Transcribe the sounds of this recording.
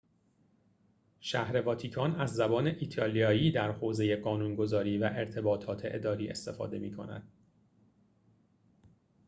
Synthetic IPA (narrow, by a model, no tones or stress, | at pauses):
ʃæhɾe̞vɒːt̪ʰikʰɒːnæzːæbɒːne̞ʔiːt̪ʰɒːlijɒːjiːd̪æɾhoːze̞je̞ɢɒːnuːnɡo̞zɒːɾiːvæʔe̞ɾt̪ʰe̞bɒːt̪ʰɒːt̪ʰe̞ʔed̪ɒːɾiːʔe̞̰st̪e̞fɒ̰ːd̪e̞miːkʰo̞̰næ̰d̪̥